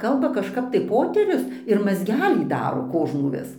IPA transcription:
ˈkɐlˠbɐ kɐʃˈkɐp tɐɪ ˈpoːtʲɛrʲʊs ɪr mɐzʲˈɡʲæːlʲiː ˈdɑːroː ˈkoːʒnuː ˈʋʲɪs

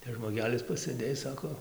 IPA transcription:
tɐs ʒmoːˈɡʲæːlʲɪs pɐsɘˈdʲeːj ˈsɑːkoː

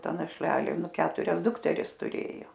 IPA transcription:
ˈtɐ nɐʃʲˈlʲæːlʲeː ˈnʊ ˈkʲæːtʊrʲɛs ˈdʊktʲɛrʲɪs tʊˈrʲeːjoː

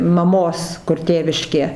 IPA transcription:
mɐˈmoːs kʊr ˈtʲeːʋʲɪʃʲkʲeː

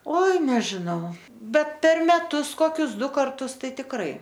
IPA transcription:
ˈoːɪ nʲɛʒʲɪˈnɐʊ ˈbʲɛt ˈpʲɛr mʲɛˈtʊs ˈkoːkʲʊs ˈdʊ kɐrˈtʊs ˈtɐɪ tʲɪkˈrɐɪ

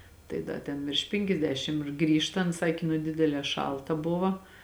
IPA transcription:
ˈtɐɪ ˈdɐ tʲɛn ʋʲɪrʃ ˈpʲɪŋʲkʲɛzʲdʲɛʃʲɪm ɪr ˈɡrʲiːʃtɐnt ˈsɑːkʲeː nʊ ˈdʲɪdʲɛlʲɛː ˈʃɐlˠtɐ ˈbʊʋɐ

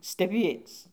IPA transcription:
sʲtʲɛˈbʲiɛs

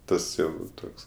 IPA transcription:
ˈtɐs jɛʊ ˈtoːks

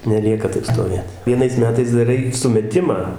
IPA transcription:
nʲɛˈlʲiɛkɐ ˈtɐɪp stoːˈʋʲeːt ʋʲiɛˈnɐɪs ˈmʲæːtɐɪs dɐˈrɐɪ sʊmʲɛˈtʲɪmɑː

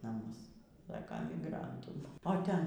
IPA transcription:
nɐˈmʊs ˈsɑːkɐ mʲɪˈɡrɐntuː oː ˈtʲɛn

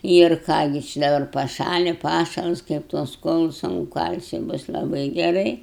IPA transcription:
ɪr ˈkɑː ɡʲɪ t͡ʃʲɪ dɐˈbɐr pɐˈʃɑːlʲɪ ˈpɑːʃɐlˠs kɐɪp tuɔs ˈkuɔlˠʊs ɐnʊ ˈkɐlʲsʲɪ ˈbʊs lˠɐˈbɐɪ ɡʲɛˈrɐɪ

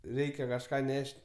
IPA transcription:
ˈrʲɛɪkʲɛ kɐʃˈkɑː ˈnʲɛʃʲtʲ

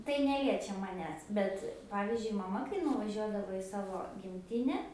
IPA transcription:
tɐɪ ˈnʲæːlʲiɛt͡ʃʲɛ mɐˈnʲæːs ˈbʲɛt ˈpɑːʋʲɪzʲd͡ʒʲʊɪ mɐˈmɐ kɐɪ nʊʋɐˈʒʲuɔdɐʋoː ɪ ˈsɑːʋoː ɡʲɪmʲˈtʲɪnʲɛ

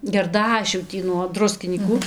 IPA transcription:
ɡʲɛrˈdɑːʃʲuː ˈtʲiː nuɔ ˈdrʊsʲkʲɪnʲiːkʊ

